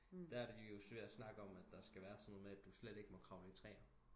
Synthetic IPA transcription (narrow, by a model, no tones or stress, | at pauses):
d̥ææɐdijo̝sʋe̝æsnɑ̈ɡ̥əɒ̽mæd̥ːɑ̈sɡ̥æʋæːɐsɒ̽nːoð̩ˠmeæd̥usleɾ̥e̝ɡ̥əmɒ̽kʰʁɑ̈ʊet͡sʰʁɛ̰ːnɐ